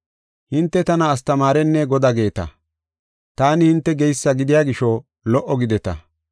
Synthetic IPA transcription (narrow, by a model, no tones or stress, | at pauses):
hɪnt̪ːɛt̪ɐnɐːs̬t̪ɐmaːɾɛnːeɡɔd̪aːɡe̞ːt̪ɐ̰ | t̪aːnɪhɪnt̪ːɛɡɛjsːɐɡɪd̪ɪjaːɡɪʃo | lɔʔɔɡɪd̪ɛt̪ɐ̰